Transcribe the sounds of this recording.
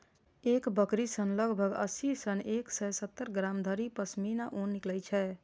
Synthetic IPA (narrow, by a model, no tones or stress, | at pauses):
ekbəkɾisənləɡʱbʱəɡə̰sisənʔeksəjsət̪ːəɾɡɾamd̪ʱəɾipəsminaʔonːiklɛjt͡ʃʰɛ